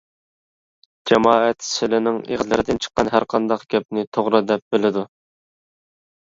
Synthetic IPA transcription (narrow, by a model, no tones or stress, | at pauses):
d͡ʒɛmɑːɛt̪sɪlɪnɪŋḛʁzlɪɾɪd̪ɪnt͡ʃʰə̥qːɑnɦæɾqʰɑnd̪ɑqɡʲɛp̚nɪt̪ʰoʁɾɑd̪ɛp̚bɪlɪd̪u